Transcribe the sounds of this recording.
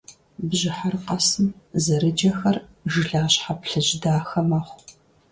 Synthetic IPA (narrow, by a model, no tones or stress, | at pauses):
bʑɪħarqɐsɨmzɐɾɨd͡ʒɐxɐrʒɨɮaːɕħapɬɨʑdaːxɐmɐχʷ